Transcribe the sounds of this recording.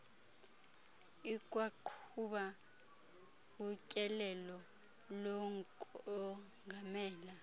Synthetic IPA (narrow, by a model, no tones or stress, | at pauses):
ikʼwaǃʰuɓa | ucʼɛlɛlɔ | lɔŋkʼɔ | ŋʱamɛːla